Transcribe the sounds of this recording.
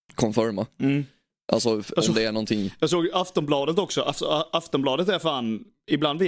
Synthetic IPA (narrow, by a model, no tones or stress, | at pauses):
kʰɔmfɔɾma | ʔa̰lsɔɑɔmd̪ɛæɳɔnt̪ʰɪŋjɑːɡs̬oːɡjaft̪ɔmblɑːd̪ət̪ɔksɔʔafsɔaft̪ɔmblɑːd̪ət̪æɾfaːn | ɪbland̪vɪ